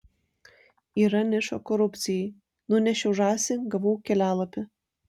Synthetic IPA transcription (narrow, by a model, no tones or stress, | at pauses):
iːɾɐnʲɪʃoːkɔɾʊp̪ʲsʲɪjɛɪ | nʊnʲɛʃʲɛʊʒɑːsʲɪɡɐʋoːkʲɛlʲæːlˠɐpʲɪ